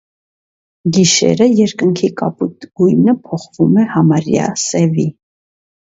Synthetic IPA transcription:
ɡiʃɛ̰ɾəjɛɾkəŋkʰikɑput̪ɡ̥ujnəpʰɔχvumɛhɑmɑɾjɑ̰sɛvi

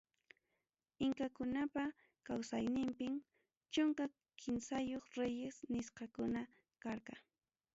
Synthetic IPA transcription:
ɪŋkakʊnapa | kawsajnɪmpɪm | t͡ʃʊŋka | kʰɪnsajoχɾejesnɪsqɑkʊna | kaɾqɑ

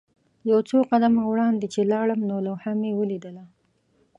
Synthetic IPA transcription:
jawt͡soqad̪amawɽɑnd̪et͡ʃelɑɽəmnolahamewəlid̪əla

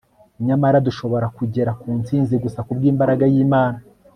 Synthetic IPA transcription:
ɲamaɾaduʃo̞βo̞ɾakuɟe̞ɾakuːnt͡siːnziɡusakubɡiːmbaɾaɡajiːmaːna

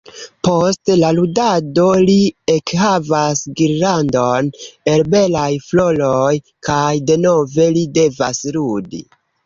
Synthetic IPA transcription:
po̞stlaludado̞liekɦavasɡiɾlando̞ne̞lbe̞lajflo̞loj | kajde̞no̞ve̞lide̞vasludḭ

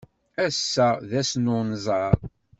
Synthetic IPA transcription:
æsːæðæsnʊnzˤɑɾˤ

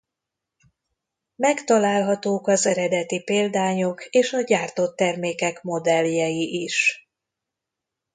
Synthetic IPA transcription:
mɛkt̪ɒlaːlɦɒt̪oːkɒzɛɾɛd̪ɛt̪ipeːld̪aːɲokeːʃɒɟaːrt̪o̞t̪ːɛrmeːkɛkmo̞d̪ɛljɛjiʔiʃ

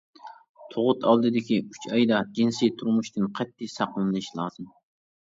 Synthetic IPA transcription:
t̪ʰoʁʊt̪ʰɑlˠd̪ɨd̪ɪkʲiy̥t͡ʃʰɑjd̪ɑd͡ʒinsijt̪ʰuɾmuʃt̪ɨnqʰɛt̪ʰːɪsɑqlˠɨnlˠɨʃlˠɑːzɨm

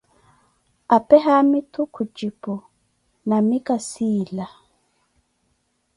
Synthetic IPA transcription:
apɛɦamitukʰud͡ʒipɔ | namikasila

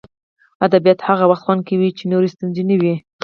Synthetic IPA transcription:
ad̪abijat̪haɣawaxt̪xwand̪̚kawit͡ʃenoɾest̪unzinawi

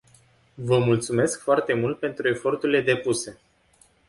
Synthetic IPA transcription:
vəmult̪sume̞skfoart̪e̞mult̪̚pe̞nt̪ɾue̞fo̞rt̪uɾile̞d̪e̞puse̞

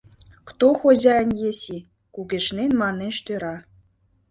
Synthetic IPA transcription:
kt̪oxoʑɑɘnʲjeɕi | kuɡʲĕʃnʲenʲmɑnʲːenʲʃt̪ʲøɾɑ

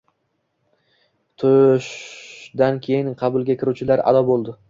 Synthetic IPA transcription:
t̪ʰʊʃd̪ankʲʰe̞jɪnqʰɑbʊlˠɡʲakʲɪɾut͡ʃʰɪlaɾa̰d̪ɒbolˠd̪ɪ

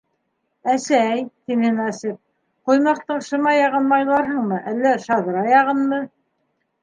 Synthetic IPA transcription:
æsæjt̪inɘnɑsip̚ | qŏjmɑqt̪ɤɴʃŏmɑjɑʁɤ̆nmɑjlˠɑɾɦɤɴmɤʔælːæʃɑðɤ̆ɾɑjɑʁɤnmɤ

